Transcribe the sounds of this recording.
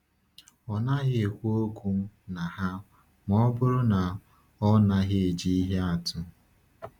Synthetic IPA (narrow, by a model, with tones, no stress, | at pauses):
ɔ˨na˦ɣɪ˦e˨kʷu˦o˦kʷu˦m̩˦na˨ha˦ | mɔ˦bʊ˦ɾʊ˦na˨ | ɔ˦na˦ɣɪ˦e˨d͡ʒi˦i˦ɦe˦a˨tʊ˦